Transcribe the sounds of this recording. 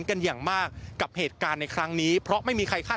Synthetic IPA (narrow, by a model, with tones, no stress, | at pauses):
nka˧njaː˨˩ŋmaː˥˩k̚ːa˨˩p̚heː˨˩t̪̚kaː˧nːa˧jkʰɾa˦˥ŋniː˦˥pʰɾɔ˦˥ʔma˥˩jmiː˧kʰa˧jkʰaː˥˩